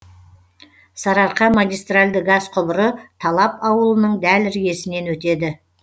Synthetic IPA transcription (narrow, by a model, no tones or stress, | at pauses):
sɑɾɑɾqɑmaɡʲijst̪ralʲd̪ɪɡɑzqʰʊbəɾət̪ʰɑlˠɑpɑwəlˠənəɴd̪ælɪɾɡʲe̞sɪne̞nwɵt̪e̞d̪ɪ